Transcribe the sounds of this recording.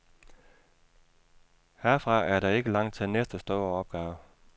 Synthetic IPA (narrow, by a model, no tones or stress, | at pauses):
hæɐ̰fʁɑ̈æɐɾɑ̈e̝ɡ̥əlɑ̈ŋ̰d̥̚t͡sʰe̝lnesd̥əsd̥ɔːɐɒ̽b̥̚ɡ̥ɑ̈ːʊ